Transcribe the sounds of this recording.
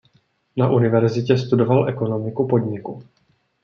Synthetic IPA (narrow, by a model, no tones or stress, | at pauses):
naʔunɪvɛɾzɪcɛst̪udo̞valʔɛko̞no̞mɪkupo̞dɲɪku